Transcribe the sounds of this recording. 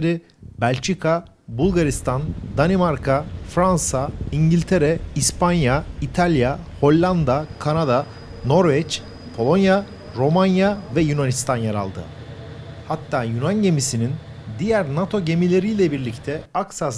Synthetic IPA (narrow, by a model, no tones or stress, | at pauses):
ɾi | bælʲt͡ʃʰikʰa | bulˠɡaɾist̪ʰand̪animaɾkʰafɾansaiɲɟilʲt̪ʰeɾɛispʰanjait̪ʰalʲjaho̞lʲːand̪akʰanad̪a | no̞ɾvɛt͡ʃ | pʰo̞lˠo̞nja | ɾo̞manjavɛjynanist̪ʰanjaɾa̰lˠd̪ɯ̰ | hat̪ʰːaːjunanɟe̞misinin | d̪ijæɾnat̪ʰo̞ɟe̞milʲe̞ɾijlʲɛbiɾlʲict̪ʰɛaksas